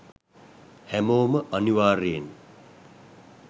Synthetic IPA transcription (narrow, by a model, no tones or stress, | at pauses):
hɛmoːməʔɐniʋaːɾeːn